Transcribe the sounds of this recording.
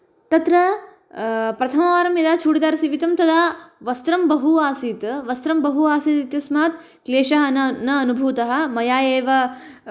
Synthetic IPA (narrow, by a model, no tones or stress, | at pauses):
t̪ɐt̪ɾɐ | pɾɐt̪ʰɐmɐʋaːɾɐmjɐd̪aːt͡ʃʰuːɽit̪d̪aːɾɐsiʋit̪ɐmt̪ɐd̪aːʋɐst̪ɾɐmbɐɦuaːsiːt̪ʋɐst̪ɾɐmbɐɦuaːsit̪it̪jɐsmaːt̪ | kleːʂɐɦɐnɐnɐːnubʱuːt̪ɐɦɐ̆mɐjaːjeːʋɐ